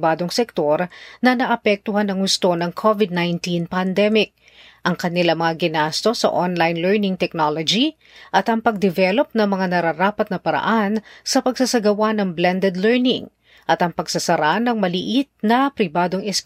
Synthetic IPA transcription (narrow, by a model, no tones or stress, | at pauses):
baːd̪oŋsɛk̚t̪o̞ɾnɐnɐʔɐpɛk̚t̪ʊɦanɐŋhʊst̪o̞nɐŋkʰovɪd̪̚najnt̪inpɐnd̪ɛmɪk̚ | ʔɐŋkɐnɪlamɐŋaɡɪnast̪o̞sɐ̰ʔonlajnlɛɹnɪŋt̪ɛk̚nolod͡ʒi | ʔɐt̪ɐŋpɐɡ̚d̪ɛvɛlo̞p̚nɐŋmɐŋanɐɾaɾaːpɐt̪̚nɐpɐɾɐ̰ʔansɐpɐɡsɐsɐɡɐwanɐŋblɛnd̪ɛd̪lɛɹnɪŋ | ʔɐt̪ɐŋpɐɡsɐsɐɾanɐŋmɐlɪʔit̪̚nɐpɾɪbaːd̪o̞ŋɛsk